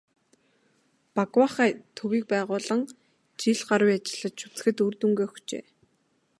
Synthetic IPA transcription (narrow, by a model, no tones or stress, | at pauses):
pakwaχæːt̪ʰɵɣiːk̚pæːʁʊːɮə̆ŋ | t͡ɕiɮɢaɾwiːat͡ɕɪ̆ɮə̆t̪ʃu̥t͡sɘ̥̆xɘ̆t̪urt̪uŋɡeːxɵt͡ɕḛː